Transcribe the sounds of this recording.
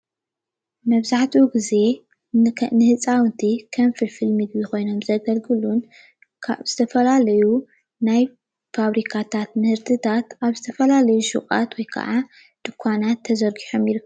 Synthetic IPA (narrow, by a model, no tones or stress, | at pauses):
mɐβzaħt̪ʰiuɡize̞ | nɨhɨt͡sʼawnt̪ʰikʰɐnfɨlfɨlmɨɡβixo̞jno̞mzɐɡɐlɡɨlun | kʰaβz̥ɨt̪ʰɐfɐlalɐju | naj | faβɾikʰat̪ʰat̪mɨhɨɾt̪ʰɨt̪ʰat̪aβzɨt̪ʰɐfɐlalɐjuʃɨ̰kʼa̰t̪wɔjkʰɐ̰ʔa | d̪̥ɨkʰʷːanat̪ʰːɐzɐɾɡiħo̞mjɪɾɨkʰːɐ